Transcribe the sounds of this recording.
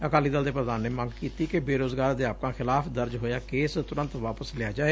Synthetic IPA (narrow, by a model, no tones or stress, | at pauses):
əkaːliːd̪əld̪eːpɾəd̪aːnːeːmə̃ŋɡkiːt̪iːkebeːɾoːzɡaːɾd̪eaːp̚kãːxʰɪlaːpʰd̪əɾd͡ʒɦoːjaːkeːst̪ʊɾə̃nt̪ʋaːpəslɪaːd͡ʒaːeː